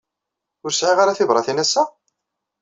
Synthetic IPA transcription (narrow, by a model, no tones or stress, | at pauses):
ʊɾsʕiʁaɾaθɪvɾˤɑθinæsːæ